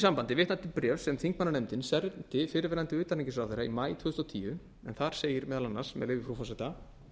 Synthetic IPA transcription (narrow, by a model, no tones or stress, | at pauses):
sampant̪ɪvɪht̪nat̪ɪpɾɛːfsːɛmθiŋkmanːaɾejmt̪ɪnsɛɾnt̪ɪfɪːɾɪvɛːɾant̪ɪʏːt̪aniɲcɪsɾawθejɾaimaːjt̪ʰvʏɣʏst̪wt̪ʰiːjʏ | ɛnθaɾ̥seːjɪɾmɛːðalanːaɾ̥smɛ̰ðlejvɪfɾufɔsɛt̪a